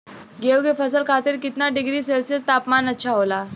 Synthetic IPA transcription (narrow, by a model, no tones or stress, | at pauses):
ɡewɡefəsəlkʰat̪iɾkit̪naɖiɡɾiːselsəst̪apmanəːt͡ɕʰaɦola